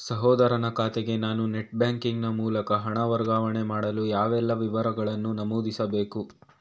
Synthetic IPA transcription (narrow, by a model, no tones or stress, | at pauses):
sɐɦɔːd̪ɐɾɐnɐkaːt̪eɡe̞naːnuneʈ̚bjaːŋkiŋɡnɐmuːlɐkɐɦɐɳɐʋɐɾɡaːʋɐɳe̞maːɽɐlujaːʋɛlːɐʋiʋɐɾɐɡɐɭɐnːunɐmoːd̪isɐbe̞ːku